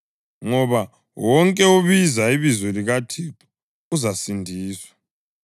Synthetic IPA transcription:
ŋɔβa | wɔŋkʼɛuβizaiβizɔliɣatʰiǁu̥ | uzasindʱiːswḁ

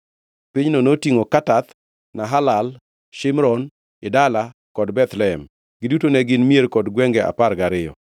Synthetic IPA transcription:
piɲnonotiŋokatat̪ | naɦalal | ʃɪmɾɔn | ɪdala | kɔdbɛt̪lɛɛm | ɡ̥ɪdutonɛɡɪnmjeɾkɔdɡwɛŋɡɛʔa̰parɡaɾɪjɔ̰

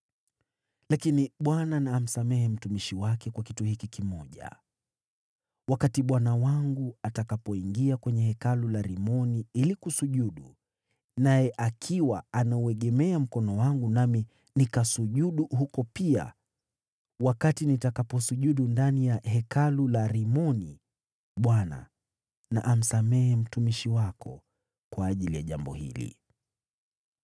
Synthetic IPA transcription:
lakiniɓwananaːm̩samɛhɛm̩tumiʃiwakɛkwakituhikikimɔʄa̰ | wakatiɓwanawaŋɡuatakapɔiŋɡiakwɛɲɛhɛkalulaɾimɔniilikusuʄuɗu | najɛʔakʰiwaanauɛɠɛmɛam̩kɔnɔwaŋɡunami | nikasuʄuɗuhukɔpia̰ | wakatinitakapɔsuʄuɗundanijaɦɛkalulaɾimɔni | ɓwana̰ | na̰ʔam̩samɛɛm̩tumiʃiwakɔ̰ | kwaːʄilijaʄambɔ̰hḭlḭ

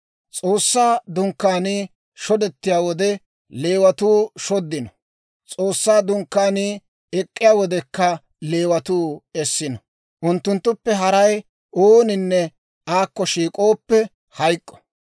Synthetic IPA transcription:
t͡sʼoːsːaːd̪ʊŋkːaːnɪː | ʃɔd̪ɛt̪ːɪjaːwɔd̪ɛ | le̞ːwɐt̪uːʃɔd̪ːɪnɔ | t͡sʼo̞ːsːaːd̪ʊŋkːaːnɪ | ɛkʼːɪjaːwɔd̪ɛkːɐ | le̞ːwɐt̪uːɛsːɪnɔ | ʔʊnt̪ːʊnt̪ːʊpːɛɦɐɾɐj | oːnɪnːɛ | aːkːɔʃiːkʼo̞ːpːɛ | hɐjkʼːɔ̥

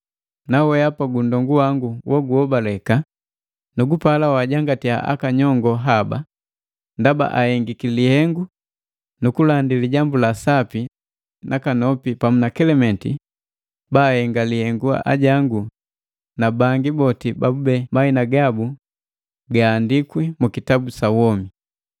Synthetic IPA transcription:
nawɛapaɡundɔŋɡuwaŋɡuwʔɔɡuhɔbalɛka | nuɡupalawaɟaŋɡatia̰ʔa̰kaɲɔŋɡɔɦaba̰ | ndaba̰ʔahɛŋɡikilihɛŋɡu | nukulandiliɟambulasapi | nʔakanɔpipamunakɛlɛmɛnti | baːhɛŋɡalihɛŋɡua̰ʔa̰ɟaŋɡu | nabaŋɡibɔtibabubɛmainaɡabu | ɡaːndikwimukitabusawɔmi

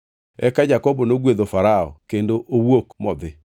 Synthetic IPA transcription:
ɛkad͡ʒakɔbɔnoɣweðofaɾaɔ̰kendoʔowwokmɔðe

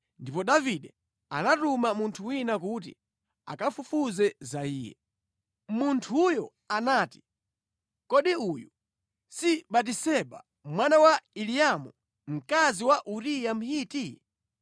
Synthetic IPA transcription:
ndipɔɗaviɗɛ | a̰natumamuntʰuwinakutḭ | a̰kafufuzɛzaiːjɛ̰ | muntʰujɔ | anaːti̥ | kɔɗiuju | siɓat̬isɛɓa | mwanawailijamu | m̩kaziwaʔuɾijam̩hiːti

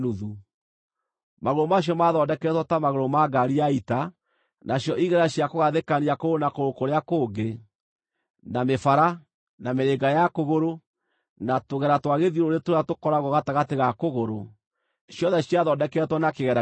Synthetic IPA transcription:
uðu | maɣoɾomaɕ̬jɔmaðɔdɛkɛtwɔtamaɣoɾomaɡaɾiaita | nʔaɕjɔʔiɣɛɾaɕiakoɣaðekaniakoonakoɾokoɾeakoːɡe | namefaɾa | nameɾeɡajakoɣoɾo | natoɣɛɾatwaɣeðiɾoɾetoɾatokɔɾaɣɔɣataɣateɣakoɣoɾo | ʃjɔðɛɕiaðɔdɛkɛtwɔnakeɣɛɾa

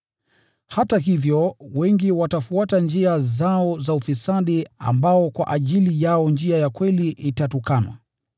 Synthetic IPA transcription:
hataɦivjɔwɛŋɡiwatafuatand͡ʒiazaɔzaufisaɗia̰mbaɔkwa̰ʔaʄilijaɔnd͡ʒiajakwɛliʔitatukanwa̰

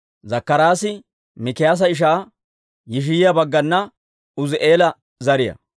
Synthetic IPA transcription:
zɐkːɐɾaːsɪ | mɪkɪjaːs̬ɐɪʃ̬aː | jɪʃ̬ɪjɪjɐbɐɡːɐnːɐ | ʊzɪʔe̞ːlɐ | zɐɾɪjɐ̰

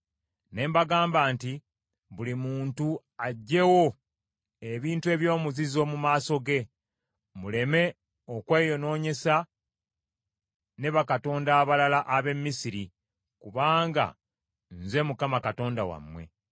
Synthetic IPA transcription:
ne̞ːmbaɡaːmbaːnti | βulimuːntu | aɟːe̞wo̞ | e̞βiːntue̞βjo̞ːmuzizo̞mumaːso̞ɡe̞ | mule̞me̞ | o̞kwe̞ːjo̞no̞ːɲe̞sa | ne̞βakato̞ːndaːβalalaʔaβe̞mːisiɾi | kuβaːŋɡa̰ | nze̞mukamakato̞ːndawa̰mwe̞̰

